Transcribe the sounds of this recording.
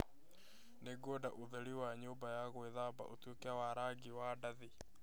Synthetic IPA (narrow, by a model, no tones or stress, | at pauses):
neɡodaʔuðɛliwaɲoːmbajaɣweðaba̰ʔotwokeawaɾaɡiwadaði